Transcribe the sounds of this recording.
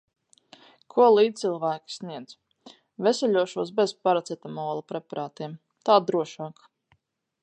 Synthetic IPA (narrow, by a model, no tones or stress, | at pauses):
kʰuɔlˠiːd̪t̪ilˠvæːkʲi̥sniɛd̪z | vɛsɛlʲuɔʃuɔsbɛzpaɾat̪sɛt̪amɔːlˠapɾɛpaɾʔaːt̪iɛm | t̪aːd̪ɾuɔʃaːk